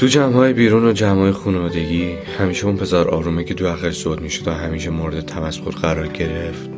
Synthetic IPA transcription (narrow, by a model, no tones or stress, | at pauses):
t̪ʰud͡ʒæmhɒːjebiːɾuːnod͡ʒæmhɒːjexunevɒːd̪e̞ɟiː | hæmiːʃeunpʰe̞zɒːɾʔɒ̰ːɾuːmicʰe̞d̪oæxæʃz̥od̪miːʃod̪æɦæmiːʃe̞moɾed̪e̞t̪ʰæmæsxoɾɢæɾɒːɾɟe̞ɾe̞ft̪